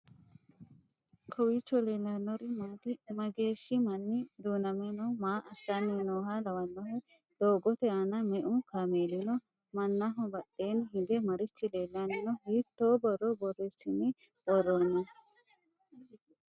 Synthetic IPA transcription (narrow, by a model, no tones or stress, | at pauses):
kʰɔwit͡ʃːɔleːlaːnːɔɾimat̪imɐɡeːʃːimɐnːid̪uːnɐmɛnɔmaːʔɐsːaninoːɦalɐwɐnːɔɦɛ | d̪̥oːɡɔt̪ɛanɐmɛʔukʰameːlinɔ | mɐnːaɦɔbɐɗeːnɦid̪ɛmɐɾɪt͡ʃːileːlaːninɔɦiːt̪ːoːbɔɾɔbɔɾɛsinːi | bɔɾːɔnːɛ